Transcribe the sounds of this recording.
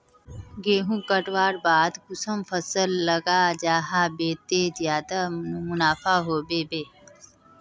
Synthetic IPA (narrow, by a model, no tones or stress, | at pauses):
ɡeːɦũːkəʈʋaːɾbaːd̪ɡʊsəmfəsəlːəɡad͡ʒaːɦabeːt̪eːzjaːd̪amʊnaːfaːɦoːbeːbeː